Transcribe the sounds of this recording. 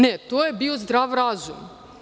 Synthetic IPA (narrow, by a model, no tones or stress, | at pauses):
net̪oːjebiozd̪ɾaːʋɾaːzum